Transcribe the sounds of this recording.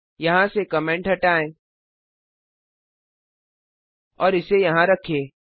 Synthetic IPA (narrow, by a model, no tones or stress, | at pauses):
jɐɦãsekɐmẽːɳʈɦɐʈaːẽː | ɔːɾɪsejɐɦãɾɐkʰeː